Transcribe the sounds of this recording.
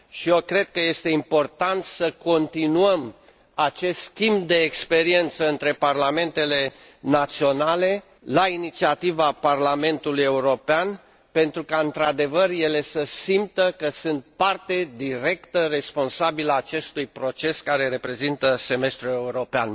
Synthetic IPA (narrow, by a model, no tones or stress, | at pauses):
ʃiokɾe̞d̪̚kəje̞st̪e̞impo̞rt̪ant̪səko̞nt̪inuəm | at͡ʃe̞st̪skʲimbd̪eːkspe̞ɾie̞nt̪səɨnt̪ɾe̞parlame̞nt̪e̞le̞ | nat̪sio̞nale̞ | lainit̪siat̪ivaparlame̞nt̪uluje̞uɾo̞pean | pe̞nt̪ɾukaɨnt̪ɾad̪e̞vərje̞le̞səsimp̚t̪əkəsɨnt̪̚part̪e̞d̪iɾe̞kt̪əre̞spo̞nsabiləaːt͡ʃe̞st̪ujpɾo̞t͡ʃe̞skaɾe̞ɾe̞pɾe̞zint̪əse̞me̞st̪ɾue̞uɾo̞pea̰n